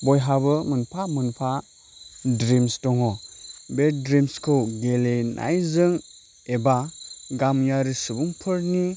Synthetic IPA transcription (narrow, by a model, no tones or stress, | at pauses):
bɔjɦabɯmɯnpʰamɯnpʰa | dɾimstɔŋɔbedɾimskʰɯwɡelenʔa̰jzɯŋ | ebaɡamjaɾisɯbuŋpʰɯɾni